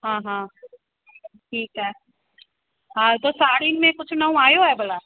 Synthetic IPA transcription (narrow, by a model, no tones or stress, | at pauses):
ɦãːɦã | ʈʰiːkɦɛː | ɦãːt̪osaːɽinmẽkʊt͡ʃʰnɐũaːjoɦɛbəla